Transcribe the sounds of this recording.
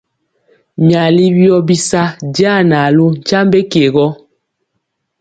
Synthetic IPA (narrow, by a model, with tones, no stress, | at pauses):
mja˨li˦bjɔ˦bi˦sa˦da˦˨na˨lo˦n˨t͡ʃa˦mbe˦ke˨ɣɔ˦